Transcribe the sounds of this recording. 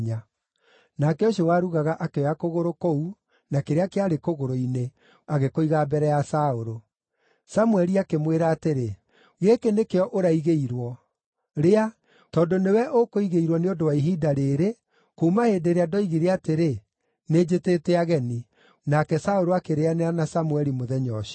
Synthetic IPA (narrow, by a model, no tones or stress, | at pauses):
ɲa | nakɛoʃ̬owaɾuɣaɣaʔakeɔakoɣoɾokou | nakeɾeakeaɾekoɣoɾoine | aɣekoiɣaːbɛɾɛjasaoɾo | samwɛɾiakemweɾaːteɾe | ɣekenekeɔʔoɾaiɣeiɾwɔ | ɾea | tɔːndonewɛʔokoiɣeiɾwɔneondowaiɦiːdaɾeːɾe | komaheːdeɾeadɔiɣiɾeateɾe | ned͡ʒetetɛaɣɛni | nakɛsaoɾoakeɾeaneanasamwɛɾimoðɛɲɔʃi̥